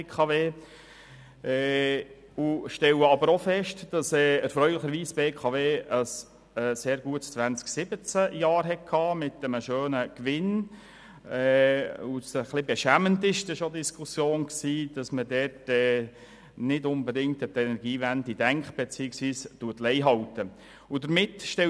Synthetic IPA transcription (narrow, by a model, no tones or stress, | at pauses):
kʰɑveː | ɛː | uʃtɛləɑbəɾofɛʃtd̥ɑsɛːɛɾfɾœʏlɪχəɾʋiːsbeːkʰɑveːəs | ɛːseːɾɡuətst͡sʋænt͡sksɪbət͡səjɑːɾɦɛt̚kʰːɑːmɪtəməʃøːnəkʋɪn | ɛːusəχlɪbɛʃæməntɪʃdɛʃodiskʰusjoːnksiːd̥ɑsmədɛrtɛː | nɪdʊnbədɪŋtətɛnɛɾɡiːʋændidæŋkχb̥et͡siɪksʋiːstuətlɛɪɦɑltə | ʊdəɾmɪtʃtɛ